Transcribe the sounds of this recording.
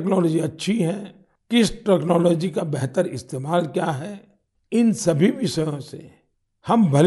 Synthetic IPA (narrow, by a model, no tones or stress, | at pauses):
knɔːlɔːd͡ʒiɐtːʃʰiɦɛ̃ | kɪsʈɛknɔːlɔːd͡ʒikabɛɦt̪əɾɪst̪eːmaːlkjaɦɛː | ɪnsɐbʱiʋɪʃəjõsḛ | hɐmbʱɐl